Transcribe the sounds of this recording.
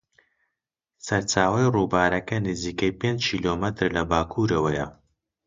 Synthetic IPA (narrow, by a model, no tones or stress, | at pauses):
sɐɾt͡ʃaːwɐjruːbaːɾɐkɐnɨziːkɐjpend͡ʒkʰiːloːmɐt̪ɾlɐbaːkʰuɾɐwɐjɐ̰